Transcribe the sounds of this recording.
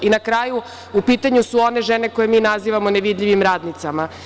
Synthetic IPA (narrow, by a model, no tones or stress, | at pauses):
inakɾaːju | upiːt̪aɲusuo̞ne̞ʒene̞koje̞miːnaziʋamoneʋid̪ʎiʋimɾaːd̪nit̪sama